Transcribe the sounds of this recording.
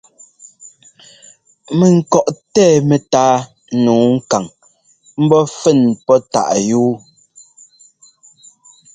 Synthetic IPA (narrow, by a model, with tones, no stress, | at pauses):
mɛ˨ŋ̩˨kɔ˨ʔtɛː˦˨mɛ˨taː˦ | nuː˨˦ŋ̩˦ka˨ŋ | m̩˦bɔ˦fɛ˦˨npɔ˦ta̰˨ʔjuː˦